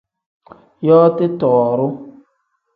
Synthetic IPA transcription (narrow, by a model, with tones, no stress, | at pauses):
jɔ˦tɪ˦tɔ˨ɔ˨ɾʊ˦